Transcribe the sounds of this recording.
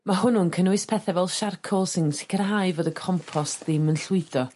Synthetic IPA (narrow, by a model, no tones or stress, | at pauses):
mahʊnʊnkʰənuɨspʰɛθɛvɛlˠʃarkʰɔlˠsɪnsɪ̥kʰərɦaɨvoːdəkʰɔmpʰɔstðɪmənɬwɪd̥ɔ